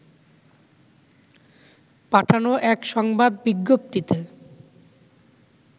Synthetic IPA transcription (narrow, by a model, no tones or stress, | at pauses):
paʈʰanoʔɛkʃɔŋbad̪biɡːop̚t̪it̪e